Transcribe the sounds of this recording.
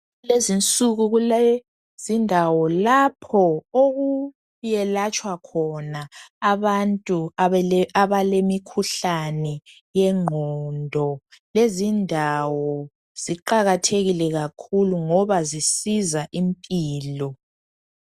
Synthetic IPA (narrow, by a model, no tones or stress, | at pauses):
lezint͡sʼuɣuɣule | zindʱawɔlapʰɔoɣu | jɛlat͡ʃʼwakʰɔnaːβantʼuaaβalemikʰuɬanɛ | jɛŋ͡ǃʱɔndʱɔ | lezindʱawɔ | z̥iǃaɣatʰeɣilɛɣakʰuluŋɔβazisizaʔimpʼiːlɔ